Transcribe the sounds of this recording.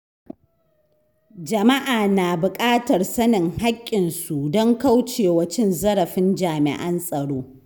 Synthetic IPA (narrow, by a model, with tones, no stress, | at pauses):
d͡ʒɐ˨ma˦ʔaː˨naː˨bʊ˨kʼaː˦tɐ˨rsɐ˦nɪ˨ŋha˦kʲʼːɪ˨nsu˨dɔ˦ŋka˦wt͡ʃeː˨wɐ˦t͡ʃɪ˦nzɐ˦ɽɐ˨ɸɪ˦nd͡ʒaː˨mɪ̰˨ʔɐ˦nsʼɐ˨ɽoː˦